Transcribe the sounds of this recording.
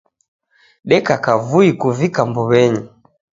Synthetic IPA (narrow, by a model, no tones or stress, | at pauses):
ɗɛkakavuikuvikambɔβɛɲi